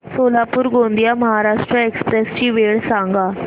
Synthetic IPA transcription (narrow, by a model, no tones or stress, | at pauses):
soːlapuɾɡõːnd̪ijaməɦaɾaːʂʈɾəekspɾest͡ɕiːʋeːɭsãŋɡaː